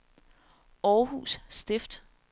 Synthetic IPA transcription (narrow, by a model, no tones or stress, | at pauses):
ɒːhṵːssd̥e̝fd̥